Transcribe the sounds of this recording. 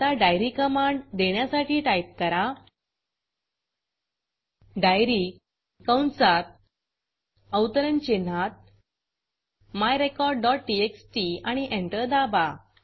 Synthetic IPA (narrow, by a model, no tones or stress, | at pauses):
t̪aɖajɾikəmaɳɖd̪eɳjasaʈiːʈajp̚kəɾa | ɖajɾi | kəwɳsat̪̚ | əwt̪əɾənt͡ɕen̤at̪̚ | majɾekɔɾɖːɔʈ̚ʈieksʈiaɽ̃iʔẽɳʈəɾd̪aba